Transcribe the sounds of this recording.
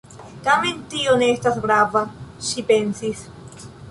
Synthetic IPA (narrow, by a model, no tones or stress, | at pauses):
tame̞ntioneestasɡɾavaʃipe̞nsis